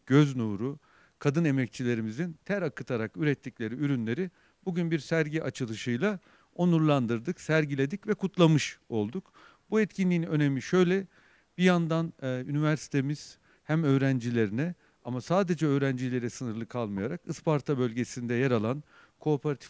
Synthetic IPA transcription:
ɟ̥øznuːɾu | kʰad̪ɯne̞mɛc̚t͡ʃʰilʲe̞ɾimizint̪ʰæɾakʰɯt̪ʰaɾakyɾɛt̪ʰːiclʲe̞ɾiyɾynlʲe̞ɾi | b̥uɟynbiɾsæɾɟiʔat͡ʃʰɯlˠɯʃɯjlˠa | o̞nuɾlˠand̪ɯɾd̪ɯksæɾɟilʲe̞d̪icvɛkʰut̪ʰlˠamɯʃo̞lˠd̪uk | buɛt̪cʰinlʲiːnø̞ne̞miʃø̞jlʲɛ | b̥ijand̪anynivæɾsi̥t̪ʰemiz̥ | hæmø̞ːɾænd͡ʒilʲe̞ɾinɛ | amasaːd̪e̞d͡ʒɛø̞ːɾænd͡ʒilʲe̞ɾɛsɯnɯɾlˠɯkʰalˠmɯjaɾakɯspaɾt̪ʰabø̞lʲɟe̞sind̪ɛjaɾalˠan | kʰo̞ːpʰeɾat̪ʰi̥

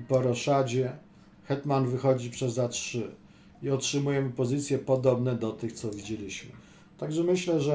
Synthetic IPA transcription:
pɔɾɔʂad͡ʑɛ | xɛt̪manvɘxɔd͡ʑipʂɛzːatʂɘ | iɔtʂɘmujɛmɘpɔzɘt̪sʲjɛpɔd̪ɔbnɛd̪ɔt̪ɘxt̪sɔvʲid͡ʑelʲiɕmɘ̰ | t̪aɡʐɛmɘɕlɛʐɛ

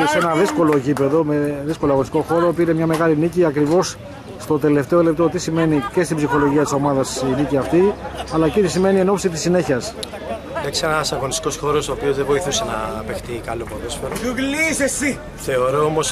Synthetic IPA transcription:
se̞nɐðisko̞lo̞ecipe̞ðo̞meðisko̞loɐɣonst̪ikoxo̞ɾopiɾemɲɐme̞ɣɐliniciɐkɾivo̞sː | t̪o̞t̪e̞le̞ft̪e̞olep̚t̪o̞t̪isime̞nice̞st̪ibzixo̞lo̞ʝiɐt̪iso̞mɐðɐsiniciɐft̪iɐlɐcit̪isime̞nie̞no̞psit̪isːine̞çiɐs | d̪ɐksienɐsɐɣonist̪i̥ko̞sxo̞ɾo̞soːpio̞zðevo̞iθusenɐːpext̪ikɐlopoðosfeɾouɣlisesi | θe̞o̞ɾoomo̞s

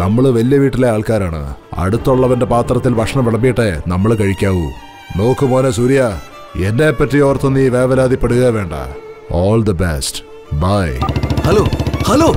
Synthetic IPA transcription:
nɐmːɐɭʋɐlijɐʋiːʈːile̞aːɭkaːɾaːɳɨ̰ɐ̰ɽut̪ːuɭːɐʋɐnde̞paːt̪rɐt̪ːilbʱɐkʂɐɳɐmʋiɭɐbijiʈːe̞nɐmːɐɭkɐɻikʲːaːʋu | no̞ːkːɨmo̞ːnesuːɾija | enːepːɐtːijo̞ːrt̪ːonːiːʋeːʋɐlaːd̪ipːeɽuɣɐʋe̞ːɳɖɐ̰oːld̪ɐbḛst | baːjhɐloːhɐloː

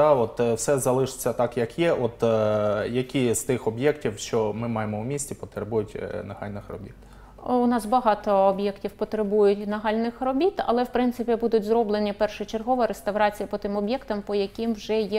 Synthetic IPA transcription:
d̪ɑɔt̪wsɛzɐlˠɪʃɪ̥t͡sʲːɐt̪ɑkjɐkjɛʔɔt̪jɐkʲist̪ɪxɔbjɛktʲiwʃt͡ʃɔmɪmɑjemɔwmʲisʲtʲipɔt̪ɾebujʊtʲnɐhɑ̰lʲnɪxrɔ̰bʲit̪ | ʊnɑsbɐɦɑt̪ɔːbjɛktʲiwpɔt̪ɾebujʊtʲnɐɦɑlʲnɪxrɔbʲit̪ɐ̰lˠɛwpɾɪnt̪sɪpʲibud̪ʊtʲzɾɔblˠenʲipɛrʃɪt͡ʃerɦɔʋɐɾest̪ɐʋɾɑt͡sʲijɐpɔt̪ɪmɔbjɛkt̪ɐmpɔjɐkʲimwʒɛjɛ

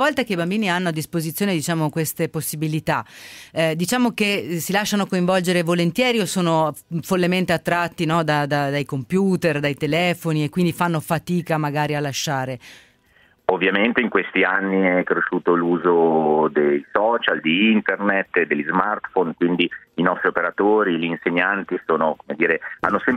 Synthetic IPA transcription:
vɔlt̪akeibambiːnianːoad̪ːispozit̪sːjoːned̪it͡ʃaːmokwest̪eposːibilit̪a | d̪it͡ʃaːmokesilaʃːanokoiɱvɔld͡ʒeɾevolent̪jɛːɾiosoːnofolːement̪eat̪ːɾat̪ːinɔd̪ad̪ad̪ajkompjuːt̪erd̪ajt̪elɛːfoniekːwind̪ifanːofat̪iːkamaɡaːɾialːaʃːaːɾe | ovːjament̪eiŋkwest̪ianːiɛkɾeʃːuːt̪oluːzod̪ejsɔːt͡ʃald̪iint̪ernet̪ːd̪elʎːizmart̪fonkwind̪iinɔst̪ɾiopeɾat̪oːɾiliːnseɲːant̪isoːnokomed̪iːɾea̰nːosɛm

